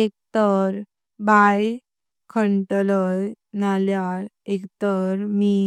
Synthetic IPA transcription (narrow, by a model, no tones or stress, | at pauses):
ek̚t̪əɾ | baj | kʰəɳʈləj | naljaɾekt̪əɾmi